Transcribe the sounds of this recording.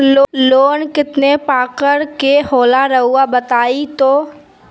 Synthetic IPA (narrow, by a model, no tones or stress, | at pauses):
loloːnkɪt̪nepaːkəɾkehoːlaɾɐɦuabət̪aːit̪oː